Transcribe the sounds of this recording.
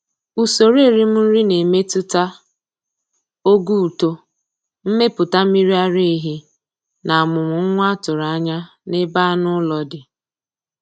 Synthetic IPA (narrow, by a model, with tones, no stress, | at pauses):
u˨so˨ɾe˦˨ɾi˦m̩˦n̩˦ɾi˦ne˨me˦tʊ˦ta˦ | o˦ɡu˦u˨to˦ | m̩˦me˦pʊ˨ta˦mi˦ɾi˦a˦ɾe˦ɦi˦ | na˨a˨mʊ˨mʊ˨ŋ̩˦ŋʷ˦a˦tʊ˨ɾa˨˦ɲa˦ | nɪ˦ba˦nʊ˦lɔ˦dɪ˨